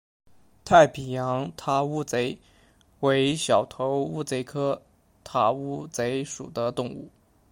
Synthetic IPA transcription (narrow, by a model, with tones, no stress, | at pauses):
t̪ʰa˥˩ɪpʰi˨˩jɑ˧˥ŋt̪ʰa˥u˥˩t͡se˧˥ɪ | we˧˥ɪɕjɑ˨˩ʊt̪ʰo˧˥ʊu˥˩t͡se˧˥ɪkʰɤ˥ | t̪ʰa˥˩u˥t͡se˧˥ɪʂṵ˨˩d̪ə˦t̪ʊ˥˧ŋṵ˥˩